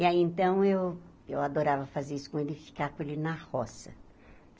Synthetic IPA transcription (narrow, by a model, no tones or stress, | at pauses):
iaiẽnt̪ɐ̃w̃ew | ewad̪oɾavɐfazeɾisʊ̥kõelɪfi̥kaɾkõelɪnahɔsɐ